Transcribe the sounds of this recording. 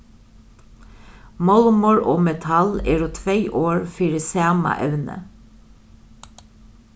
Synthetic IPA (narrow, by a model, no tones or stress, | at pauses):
mɔlmɔɹʔoːmɛt̪ʰɑleːɾoːt̪ʰʋeɪʔoːɹfiːɾəseɑmɑ̰ʔɛʋnə̰